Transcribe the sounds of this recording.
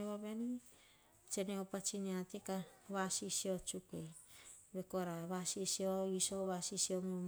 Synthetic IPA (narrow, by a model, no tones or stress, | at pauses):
eβaβeni | t͡ʃeneopat͡ʃiniatekaβasisiot͡ʃukej | βekoɾaβasisioisoβasisiomi